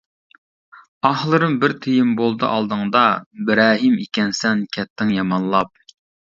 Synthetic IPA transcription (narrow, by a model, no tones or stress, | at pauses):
ɑhlˠɨɾɨmbɪɾt̪ʰejɪmbolˠd̪ɨ̰ʔɑ̰lˠd̪ɨŋd̪ɑbɪɾɑːɦimikʲɛnsɛnkʲʰɛt̪ʰːɪŋjɑmɑnlˠɑp̚